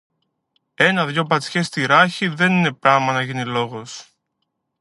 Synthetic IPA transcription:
e̞nɐðʝo̞pɐt͡sçest̪iɾɐçiðe̞nine̞pɾɐmɐnɐʝinilo̞ɣo̞s

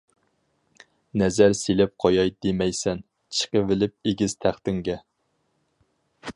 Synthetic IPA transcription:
nɛzæɾselɪp̚qʰɑjɑjd̪emɛjsɛn | t͡ʃʰə̥qəvɪlɪp̚eɡʲɪz̥t̪ʰæχt̪ɪŋɡʲɛ

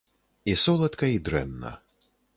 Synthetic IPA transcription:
isɔlˠɐt̪kɐid̪ɾɛ̰nːɐ̰

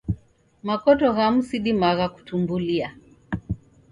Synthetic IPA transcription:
makɔtɔɣam̩siɗimaɣaku̥tumbulia

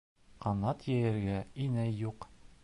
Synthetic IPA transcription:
qɑnɑt̪jæjɘ̆ɾɡæinæjːuq

